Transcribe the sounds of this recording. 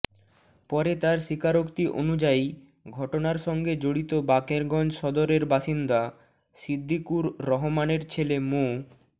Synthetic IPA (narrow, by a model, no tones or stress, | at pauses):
pɔɾet̪aɾʃikaɾokt̪iʔo̰nud͡ʑai | ɡʱɔʈonaɾʃɔŋɡed͡ʑoɽit̪obakeɾɡɔnd͡ʑʃɔd̪oɾeɾbaʃind̪a | sid̪ʱːikuɾːɔɦomaneɾt͡ɕʰelemo